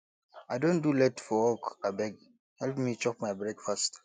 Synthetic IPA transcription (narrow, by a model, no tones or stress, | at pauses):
aɪdõndulɛtfɔwɔkabɛɡ | hɛlpmit͡ʃɔpmajbɹɛkfast